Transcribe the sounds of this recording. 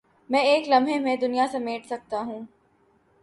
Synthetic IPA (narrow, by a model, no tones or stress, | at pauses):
mɛ̃ːeːklɐmʱɦẽmẽd̪ʊnijasɐmeːʈsɐk̚t̪aɦũː